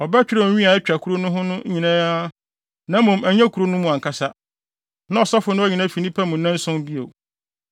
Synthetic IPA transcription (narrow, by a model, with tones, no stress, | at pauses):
ɔ˨bɛ˦t͡ɕᶣɪ˦ɾɛ˦˨˦ĩ˦a˨ɛ˦t͡ɕᶣa˨kʰu˦ɾo˦nʊ̃˦ɦʊ̃˦nʊ̃˦ɲĩ˨nã˦a˦ | nã˦mʊ̃˨mæ˨ɲ˦ã˦kʰu˨ɾo˦nʊ̃˦mʊ̃˨ã˨ŋkʰa˦sa˦ | nã˨ɔ˨sɔ˦fʊ˨˦nʊ̃˦ɔ˦ɲĩ˨nã˦fi˨nĩ˦pʰɛ˦mʊ̃˨nːɛ̃˦n˦sʊ̃˦m˦bi˦ḛ˨